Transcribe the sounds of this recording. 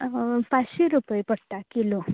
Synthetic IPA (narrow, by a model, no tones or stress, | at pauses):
paɕiɾupəjpɔɽt̪akilo